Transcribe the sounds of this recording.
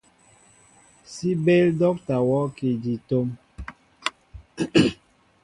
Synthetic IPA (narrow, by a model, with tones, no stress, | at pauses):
si˦be˦ldɔ˦k̚ta˨wɔ˦ki˨di˨to˦m